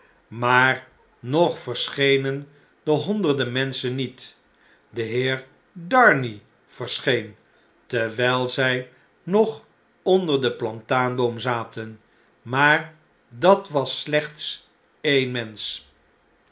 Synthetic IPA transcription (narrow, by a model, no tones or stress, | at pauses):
maːɹ | nɔχfəɹsχejnən | dəɦɔndəɹdəmɛnsənːit | dəɦɪːɹ | dɑɹni | v̥əɹsχejn | tɛɹʋɛjlˠzɛj | nɔχ | ɔndəɹdəplɑntaːndomzaːtən | maːɹ | dɑtʋɑslɛχts | ejnmɛns